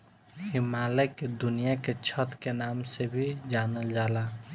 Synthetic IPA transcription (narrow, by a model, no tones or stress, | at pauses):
himaleked̪unijaket͡ʃʰət̪kenamsebʱid͡ʒanəld͡ʒaːla